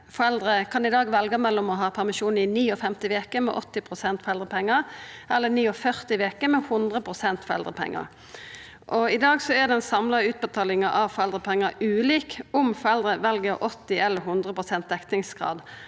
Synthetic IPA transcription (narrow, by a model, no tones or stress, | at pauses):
fɔɾɛld̪ɾəkʰɑnɪd̪ɑːɡʋɛlɡɑmɛlːɔmɔɦɑːpʰæʁmɪʃuːnɪniːɔfɛmt̪ɪʋeːkəmɛ̰ʔɔt̪ːɪpʰʁʊsɛnt̪fɔʁɛld̪ʁəpʰɛŋːəʔɛlːəniːɔfœʁt̪ɪʋeːkəmɛhʊnd̪ʁəpʰʁʊsɛnt̪fɔʁɛ̰ld̪ʁəpʰɛ̰ŋːə̰ | ʔɔɪd̪ɑːɡsɔæd̪ɛɛnsɑmlɑʉːt̪̚bət̪ʰɑːlɪŋɑʔɑʋfɔʁɛld̪ʁəpʰɛŋːəʉːliːkɔmfɔɾɛld̪ɾəʋɛlɡəʁʔɔt̪ːɪɛlːəɾɦʊnd̪ʁəpʰʁʊsɛnt̪̚d̪ɛkt̪ɪŋsɡ̥ʁɑ̰ːd̪